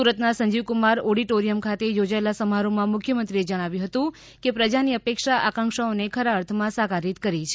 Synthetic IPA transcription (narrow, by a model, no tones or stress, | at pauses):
uɾət̪nasəɲd͡ʒiʋkumaɾɔɽiʈoɾijəmkʰat̪ejod͡ʒaelasəmaɾomãmʊkʰjəmənt̪ɾied͡ʒəɽ̃aʋjũɦət̪ũ | kepɾəd͡ʒaniəpekʃaʔakãŋkʃaonekʰəɾaəɾt̪ʰmãsaɡaɾit̪kəɾit͡ʃʰe